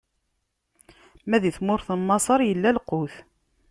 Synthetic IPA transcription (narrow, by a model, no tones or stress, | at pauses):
mæðiθmʊɾθənːɑsˤɑɾˤjəlːælqoθ